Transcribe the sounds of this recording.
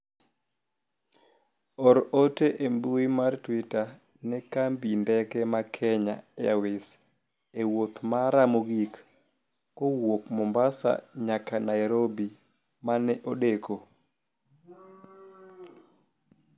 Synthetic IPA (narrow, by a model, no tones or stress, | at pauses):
ɔɾoteʔembuimartwita | nɛkambindɛkɛmakʰɛɲa̰ja̰wɪs | ewot̪maɾamoɡik | owokmɔmbasa̰ɲakanajɾobi | manɛʔoɗeko